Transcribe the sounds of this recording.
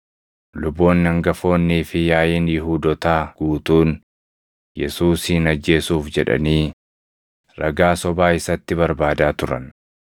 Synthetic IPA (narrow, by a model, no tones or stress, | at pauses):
lʊbːo̞ːnːɪɐŋɡɐfo̞ːnːiːfɪjaːjeːnjɪɦuːd̪ɔt̪aːɡ̥uːt̪uːn | jɛsuːshɪnɐd͡ʒːe̞ːsuːfd͡ʒɛᶑɐ̰niː | ɾɐɡaːsɔbaːɪsɐt̪ːɪβɐɾbaːd̪aːt̪ʊɾɐ̰n